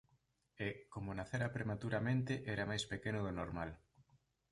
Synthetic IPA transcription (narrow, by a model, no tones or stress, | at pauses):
ekomonaθeɾapɾemat̪uɾamẽnt̪ɪʔɛɾamajspekenʊðonoɾmal